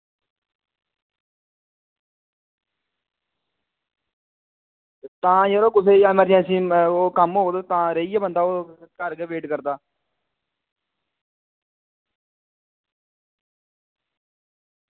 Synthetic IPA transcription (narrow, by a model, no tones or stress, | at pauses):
t̪ãːjəɾoːkʊsʰeːəmɛːɾãːsĩːoːkəmɦoːd̪at̪ãːɾəiɛːbənd̪aːoːkəɾɡeʋeːʈkəɾd̪aː